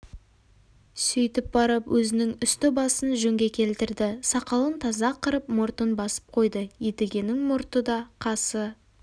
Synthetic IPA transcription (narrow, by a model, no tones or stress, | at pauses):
sʏjt̪ɪp̚bɑɾəpwʔɵzɪnɪŋʏst̪ɪbɑsənʒɵŋɡʲe̞kʲʰe̞lt̪ɪɾd̪ɪsɑqɑlˠənt̪ʰɑzɑqəɾəp̚mʊɾt̪ənbɑsə̥p̚qʰo̞jd̪əjet̪eɡʲe̞nɪŋmʊɾt̪əd̪ɑqʰɑsə